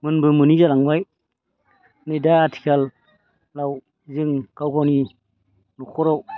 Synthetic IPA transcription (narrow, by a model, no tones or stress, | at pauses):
mɨnbəmunizalaŋwaj | nədaatʰi̥kʲal | law | ziŋkawkoni | nukoɾaw